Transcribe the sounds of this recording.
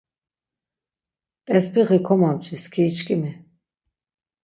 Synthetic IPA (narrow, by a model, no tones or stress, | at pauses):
t̪ʼɛspʰiʁikʰɔmamt͡ʃʰʼiskʰiːt͡ʃkʼimi